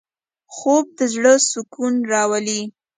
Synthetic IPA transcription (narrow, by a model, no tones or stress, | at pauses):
xob̚d̪əzɽəsʊkunɾɑwali